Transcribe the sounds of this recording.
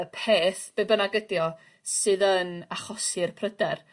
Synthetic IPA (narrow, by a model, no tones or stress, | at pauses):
əpʰeːθb̥ebənaɡədjɔ | sɨːðənaχɔsɨrpʰrədɛr